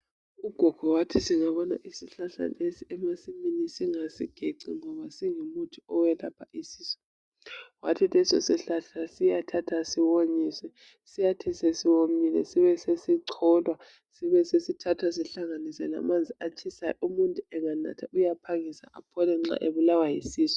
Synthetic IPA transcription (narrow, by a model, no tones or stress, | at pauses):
uɡ̥ʱɔɡ̥ʱɔwatʰisiŋaβɔna̰ʔisiɬaɬa̰nesiɛmasiminisiŋasiɡ̥ʱeǀḭŋɔβasiŋumutʰuɔwɛlapʰaʔisiːsɔ̥ | wa̰tʰitɛsɔ̰siɬaɬasijatʰatʰasiwoɲiswɛ | sijatʰisesiwomilɛ̰siβɛsesiǀʰɔlwa | siβɛsesitʰatʰwasiɬaŋanisɛla̰mand͡zʱiat͡ʃʰisajumuntʼuɛŋana̰tʰaujapʰaŋisa̰ʔa̰pʰɔlɛŋ͡ǁa̰ʔeβulawajisiːsɔ̥